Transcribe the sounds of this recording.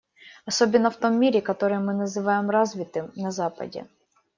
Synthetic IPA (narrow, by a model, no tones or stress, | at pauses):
ɐsobʲɪnːəft̪omʲːiɾʲɪkɐt̪oɾɨjmɨnɐzɨvajɪmrazvʲɪt̪ɨmnɐzapɐ̰dʲɪ̰